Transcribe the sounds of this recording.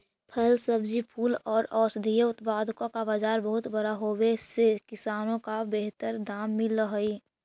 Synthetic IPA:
pʰəlsəbd͡ʒipʰuːlɔːɾɔːsd̪ʱijəʊt̪paːd̪ʱkõkabad͡ʒaːɾbəɦʊt̪bəɾaɦowesekɪsaːnõkabeɦt̪əɾd̪aːmːiləɦəi

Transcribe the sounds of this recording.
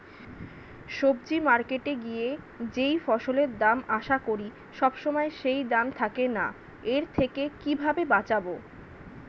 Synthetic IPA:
ʃob̚d͡ʑimaɾkeʈeɡije | d͡ʑejfɔʃoleɾd̪amaʃakoɾi | ʃɔbʃomɔeʃejd̪amt̪ʰakena̰ | eɾt̪ʰekekibʱabebat͡ɕabo

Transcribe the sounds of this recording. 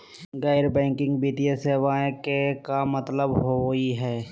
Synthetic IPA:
ɡɛːɾbɛ̃ːŋkɪ̃ŋɡbit̪ijəseːʋaːẽkekamət̪ləbɦoiɦɛː

